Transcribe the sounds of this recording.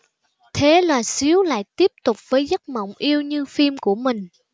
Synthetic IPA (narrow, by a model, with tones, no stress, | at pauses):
t̪ʰe˨˦laː˨˩si˨˦əwla̰ː˧˨jt̪i˦˥əp̚t̪ʊ˨˩k͡p̚vəː˨˦jzə˦˥t̚mə̰˧˨wŋ͡mʔi˧əwɲɨ˧fi˧mku˧˩əmï˨˩ŋ̟